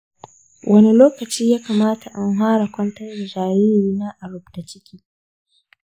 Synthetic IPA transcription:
wʔɐ˦ni˦loː˦kɐ˨t͡ʃiː˦jaː˦kaː˨maː˦tʰa˨ʔa˦ŋɦaː˦ɽa˨kʷɐ˦ntɐ˦rda˨d͡ʒaː˨jɪ˦ɾiː˦na˦ʔa˨ɽʊ˦b̚d̥a˨t͡ʃɪ˦kʲʰiː˦

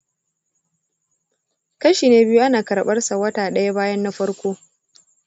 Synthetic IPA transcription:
kɐ˦ʃiː˨neː˦bɪ˦ju˦ʔa˦naː˨kɐ˨ɾɓɐ˦rsa˨wɐ˦taː˨ɗɐ˦ja˦baː˦jɐ˦nːa˦ɸɐ˦ɽkʷoː˦

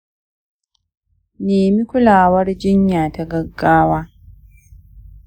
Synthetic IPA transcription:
niːmi˦ku˦laː˨wa˦ɾi˦ɟi˦ɲːaː˨taɡa˦ɡːaː˦wa

